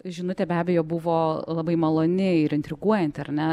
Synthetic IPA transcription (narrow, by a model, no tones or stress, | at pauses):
ʒʲɪnʊt̪ʲɛbʲæːbʲeɛjoːbʊʋoːlˠɐbɐɪmɐlˠoːnʲɪɪɾɪnʲt̪ʲɾʲɪɡuɔjɛnʲt̪ʲɐɾnʲɛ